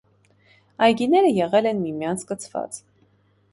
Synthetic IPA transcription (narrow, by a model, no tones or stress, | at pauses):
ɑjɡinɛɾəjɛʁɛlɛnmimjɑnt͡sʰkət͡sʰvɑ̰t͡s